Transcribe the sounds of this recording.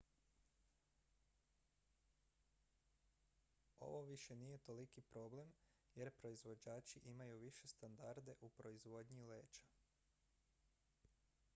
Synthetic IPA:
o̞̰ʋo̞ʋiʃe̞nije̞t̪o̞likipɾo̞ble̞m | je̞ɾpɾo̞izʋo̞d͡ʒaːt͡ʃiʔimajuʋiʃe̞st̪and̪aɾd̪e̞ʔupɾo̞izʋo̞d̪ɲile̞ːt͡ʃḁ

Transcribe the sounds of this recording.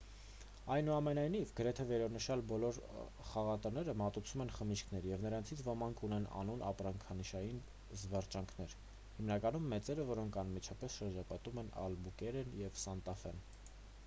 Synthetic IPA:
ɑjnuɑmɛnɑjnivɡəɾɛt̪ʰɛvɛɾɑnəʃɑlbɔlɔɾ | χɑʁɑt̪ɑnɛɾəmɑt̪ut͡sʰumɛnχəmiʃkʰnɛɾjɛvnəɾɑnt͡sʰit͡sʰvɔmɑŋkʰunɛnɑ̰nunɑ̰pɾɑŋkʰɑniʃɑjin | zvɑrt͡ʃɑŋkʰnɛɾ | himnɑkɑnumːɛt͡sɛɾəvɔɾɔŋkʰɑnmit͡ʃʰɑpɛsʃəɾd͡ʒɑpɑt̪umɛnɑ̰lbukɛɾɛnjɛvsɑnt̪ɑfɛn

